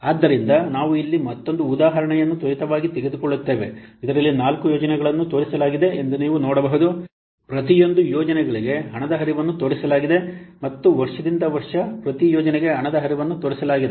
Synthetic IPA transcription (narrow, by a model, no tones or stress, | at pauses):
aːd̪ːɐɾind̪ɐnaːʋuilːimɐt̪ːo̞nd̪uːd̪aːɦɐɾɐɳɛjɐnːut̪oɾit̪ɐʋaːɡit̪eɡed̪ukɔɭːut̪ːe̞ːʋe̞̰id̪ɐɾɐlːinaːlkujɔːd͡ʒɐnɛɡɐɭɐnːut̪oːɾisɐlaːɡid̪e̞end̪uniːʋunɔːɽɐbɐɦud̪u | pɾɐt̪ijo̞nd̪ujɔːd͡ʒɐnɛɡɐɭiɡe̞ɦɐɳɐd̪ɐɦɐɾiʋɐnːut̪oːɽisɐlaːɡid̪e̞mɐt̪ːuʋɐɾʂɐd̪ind̪ɐʋɐɾʂɐpɾɐt̪ijɔːd͡ʒɐnɛɡe̞ɦɐɳɐd̪ɐɦɐɾiʋɐnːut̪oːɾisɐlaːɡid̪e